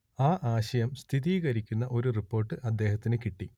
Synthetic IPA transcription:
aːʔaːɕɐjɐmst̪ʰiðiːɣɐɾikʲːunːɐʔo̞ɾuripːo̞ːrʈːɨʔɐd̪ːe̞ːhɐt̪ːinɨkiʈːi

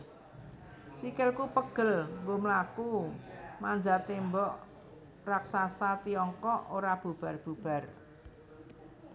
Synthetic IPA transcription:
sikɪlkupəɡ̥ə̤lmboməlakumanɲd͡ʒat̪embɔʔ | raksasat̪iɔŋkɔʔoɾab̥ub̥a̤rb̥ub̥a̤r

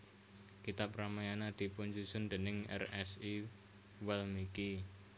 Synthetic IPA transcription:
kit̪ap̚ɾamajanad̪̥i̤puɲd͡ʒusʊnd̪̥e̤nɪŋɛ̰rɛsi | wɛlmiki

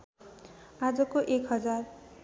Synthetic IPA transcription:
ad͡zʌkoʔekɦʌd͡zar

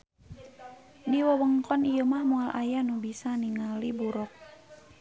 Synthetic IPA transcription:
diwəwəŋkɔnijumahmualʔa̰janubisaniŋalibuɾɔk̚

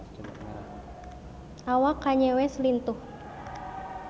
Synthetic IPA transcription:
ʔawakːaɲɛwɛslint̪uh

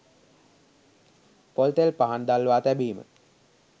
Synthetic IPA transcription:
polt̪elpaɦand̪alʋaːt̪æbiːmə̰

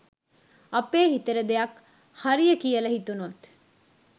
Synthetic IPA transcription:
ɐpeːɦit̪əɾəd̪ejɐk | haɾijəkijəlɐɦit̪unut̪

